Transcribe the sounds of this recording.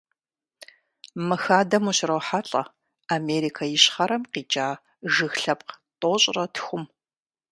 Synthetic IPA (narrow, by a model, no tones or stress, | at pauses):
mɨxaːdɐmuɕrɐwħaɬʼɐ̰ | ameːɾikʰajɪɕχɐɾɐmqiːt͡ʃʼaː | ʒɨxɬɐp̚q | tʼoɕʼrɐtʰxʷʊm